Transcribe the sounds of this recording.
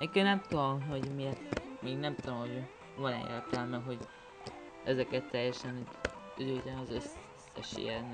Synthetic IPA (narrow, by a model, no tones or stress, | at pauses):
nekːønɛmt̪od̪omɦoɟmiɛt̪miːɡnɛmt̪oomɦo̞ɟ | vɒnɛ̰ḛːrt̪ɛlmɛɦo̞ɟ | ɛzɛkɛt̪ːɛjːɛʃɛn | øzylt̪anɒzøs | sːɛ̰ʃḭɛn